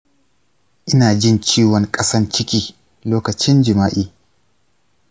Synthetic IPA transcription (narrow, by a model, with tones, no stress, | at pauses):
ʔɪ˦naː˨d͡ʒɪ˦nt͡ʃiː˦wɔ˨ŋkʼɐ˦sɐ˦nt͡ʃɪ˦kʲiː˦ | loː˦kɐ˨t͡ʃɪ˦nd͡ʒɪ˨maː˦ʔiː˦